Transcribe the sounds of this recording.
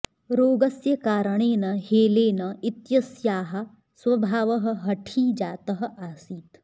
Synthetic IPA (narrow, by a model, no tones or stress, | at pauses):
ɾoːɡɐsjɐkaːɾɐɳeːnɐheːleːnɐit̪jɐsjaːɦɐ̆ | sʋɐbʱaːʋɐɦɐ̆ɦɐʈʰiːd͡ʒaːt̪ɐɦɐ̆ʔaːsiːt̪